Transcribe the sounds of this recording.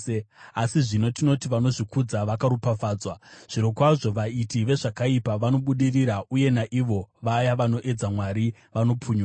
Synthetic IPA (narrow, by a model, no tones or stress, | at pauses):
asiʐino̞tino̞tiʋano̞ʐikud͡zaʋakaɾupafaːd͡zwaʐ̥iɾo̞kwaʐo̞ʋaitiʋe̞ʐakaipaʋano̞ɓuɗiriɾauje̞naʔiʋo̞ʋajaʋano̞ʔe̞d͡zamwaɾi | ʋano̞puːɲua